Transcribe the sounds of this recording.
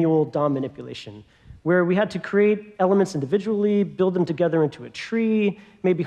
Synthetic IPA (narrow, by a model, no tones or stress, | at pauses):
ul̩ˠdɑmɨñɪpjɨlḛɪʃɨ̃n | wə˞wiɨd̚tʰɨkʰɹ̥ieɪɾɛlˠəmɨ̃ntsɪ̃ndɨvɪd͡ʒəwl̩ˠibɪlˠd̪̚ðə̃mtɨɡɛðə˞ɪ̃ntʰuɨtʰɹ̥imeɪbi